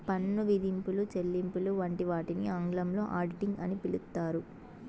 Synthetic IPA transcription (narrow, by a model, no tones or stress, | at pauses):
pɐnːuʋid̪ʱimpulut͡ʃelːimpuluʋɐɳʈiʋaːʈiniɐŋɡɭɐmlo̞ːʔaːɾɖiʈiŋɡɐnipilukt̪ːaːɾu